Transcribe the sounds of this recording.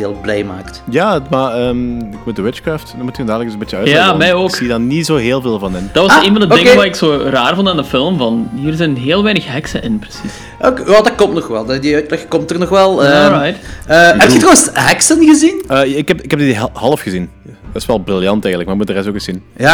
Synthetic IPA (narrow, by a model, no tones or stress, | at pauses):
eːlˠblɛjma̰ːktjaːmaəːmɪkmut̚dəwɪt͡ʃkraːftdɔmutjəndaːdələksənmbɪtjəœːtjaːmɛjoːksiːədɔnizoːɦeːlˠveːlˠvɑnɪnd̥ɑtʋɑseːnvɑndəoɪŋʋaːɾɪksoːraːrvondandəfɪlˠmvɑnɦiːrzɛjnɦeːlˠʋɛːjnəxɦɛksə̰ʔɪnprəsis | okewɛldɑkɔmtnɔxʋɛlˠdədiœtlɛxkɔmtərnɔxʋɛlˠəɔɹajtːɛp̚txətrowənsɦɛksənɣəzinəːɪkɛpɪkɛb̚diɦhɑlˠəfxəzin | dɪsʋɛlˠbrɪlˠjɑntɛːɣəntlək̚maɾɪkmut̚dərɛstoːkəsinja